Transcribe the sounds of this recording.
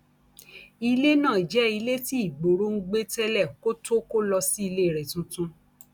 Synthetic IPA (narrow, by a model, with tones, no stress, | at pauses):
i˧le˦nãː˦˨i˨d͡ʒɛ˨˦i˧le˦ti˦i˦˨ɡ͡bo˨ɾo˧˦ŋ̩˦ɡ͡be˦tɛ˦lɛ˦˨ko˦to˦ko˦lɔ˧si˦i˧le˦˨ɾɛ˨tũ˧tũ˧˦